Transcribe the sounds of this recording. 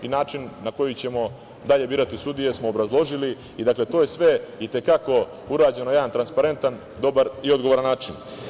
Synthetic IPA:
inaːt͡ʃinːako̞jit͡ɕe̞mo̞ | d̪aʎe̞biːɾat̪isud̪ije̞smo̞ːbɾazlˠo̞ʒili | id̪akle̞t̪oje̞sʋe̞it̪e̞kako̞ | uɾaːd͡ʑe̞no̞je̞d̪ant̪ɾanspaɾe̞nt̪an | d̪o̞baɾio̞d̪ɡo̞ʋo̞ɾanːaːt͡ʃin

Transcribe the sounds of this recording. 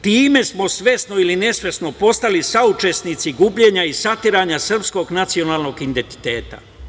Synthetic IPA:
t̪iːme̞smo̞sʋe̞sno̞iline̞sʋe̞sno̞po̞st̪alisaut͡ʃe̞snit̪siɡubʎe̞ɲaisat̪iɾaːɲasr̩psko̞ɡnat̪sio̞naːlˠno̞ɡind̪ent̪i̥t̪e̞ːt̪a̰

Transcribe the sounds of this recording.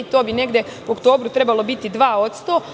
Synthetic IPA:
t̪o̞ːbine̞ɡd̪jeokt̪o̞ːbɾut̪ɾe̞balˠo̞bit̪id̪ʋaːo̞t̪st̪o̞ː

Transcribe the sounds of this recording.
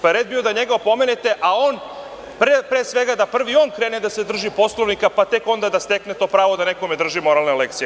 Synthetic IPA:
paeɾed̪̚bio̞d̪aɲeɡaopo̞menet̪e̞ʔaon | pɾepɾesʋeɡad̪apr̩ʋio̞nkɾeːned̪ase̞d̪r̩ʒipo̞slˠoʋnikapat̪eko̞nd̪ad̪ast̪eknet̪o̞ːpɾaːʋo̞d̪anekomed̪r̩ʒimo̞ɾalnelekt̪sije

